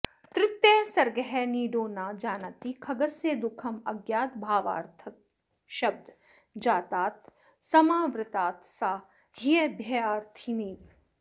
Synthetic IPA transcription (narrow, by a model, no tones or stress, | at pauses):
t̪ɾɪt̪jeːsɐɾɡɐɦɛniːɖoːnaːd͡ʒaːnɐt̪ikʰɐɡɐsjeːd̪ʊkʰɐmɐɡjaːt̪bʱaːʋa̰ːɾt̪ʰɐk̚ | ʃɐb̚d̪ʱ | d͡ʒaːt̪aːt̪̚ | sɐmaːʋɾɪt̪aːt̪saː | hijebʱjɐjaːɾt̪ʰimiːt̪